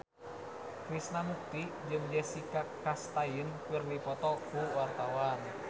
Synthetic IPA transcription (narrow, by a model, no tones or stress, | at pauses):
kɾisnamuk̚t̪id͡ʒɨŋd͡ʒɛsikakast̪ainkɨrdipɔt̪ɔkuwart̪awan